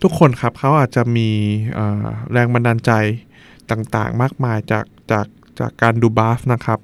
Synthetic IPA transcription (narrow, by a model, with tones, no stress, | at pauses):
t̪ʰu˦˥kʰːo˧nkʰa˦˥p̚kʰa˦˥wʔaː˨˩t̪̚t͡ɕa˨˩miː˧ʔɤ̰ː˨˩ɾɛː˧ŋma˧nːaː˧nt͡ɕa˧j | t̪aː˨˩ŋt̪a̰ː˨˩ŋmaː˥˩k̚maː˧jt͡ɕa̰ː˨˩k̚t͡ɕaː˨˩k̚ | t͡ɕa̰ː˨˩kːaː˧nduː˧baː˦˥fna˦˥kʰa˦˥p̚